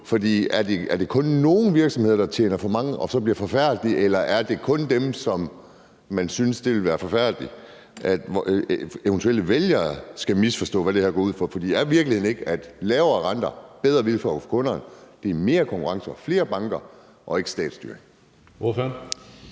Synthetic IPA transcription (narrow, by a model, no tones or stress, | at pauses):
fɒ̽d̥ḭːæɐd̥e̝æɐd̥e̝kʰɔ̽nːo̝ːn̩ʋiɐɡ̥sɒ̽mhe̝ð̰ˠɐd̥ɑ̈t͡ɕʰjḛːnɐfɒ̽mɑ̈ŋəʔɒ̽sɒ̽b̥liɐfɒ̽fæɐ̰d̥liʔelɐʔæɐd̥e̝kʰɔ̽nd̥emsɒ̽m | mænsynsd̥e̝ʋe̝lʋæːɐfɒ̽fæɐ̰d̥li | ʔæd̥ | eʊnt͡sʰuel̰əʋeljɐːsɡ̥æmisfɒsd̥ɔ̰̽ːʋæɾ̥e̝hæɐɡ̥ɒːuð̰ˠfɒ̽fɒd̥ḭæɐʋiɐɡ̥l̩ihe̝ðˠneɡ̥əæd̥lɛːʊɐʁɑnd̥ɐb̥eð̞ˠʁɐʋilfɒ̰ɡ̥fɒ̥kʰɔ̽nɐːnd̥e̝æme̝ːɐkʰɒŋkʰuʁɑ̈ŋsəɒfle̝ːɐb̥ɑ̈ŋɡ̥ɐ | ʔɒ̽e̝ɡ̥sd̥ɛ̰ːd̥sd̥y̰ɐeŋ | of